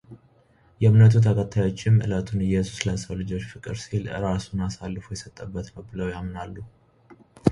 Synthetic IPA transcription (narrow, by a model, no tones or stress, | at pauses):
jɛɨmnət̪ʰut̪ʰəkʰət̪ʰːajo̞t͡ʃːɪmɨ̰lət̪ʰunɨjɛsu̥sləsəwlɨd͡ʒo̞t͡ʃːfɨkʼɨɾsilɨ̰ɾasunasalːɨfujɛsət̪ʼːəbːət̪nəwbɨləwjamnalːu